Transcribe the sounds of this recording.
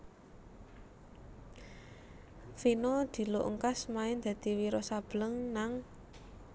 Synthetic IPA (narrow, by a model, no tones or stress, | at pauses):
finɔd̪̥i̤loʔŋkasmaɪnd̪̥ä̤d̪̥i̤wiɾɔsab̥ləŋnaŋ